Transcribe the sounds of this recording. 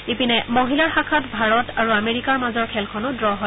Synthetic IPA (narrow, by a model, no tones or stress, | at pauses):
epinɛmoɦilaɹxakʰatbʱaɹɔtaɹuameɹikaɹmazɔɹkʰɛlkʰɔnʊdɹɔɦɔ